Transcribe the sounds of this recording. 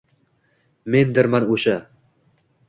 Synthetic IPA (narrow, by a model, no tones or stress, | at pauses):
mend̪ɪɾmanoʃa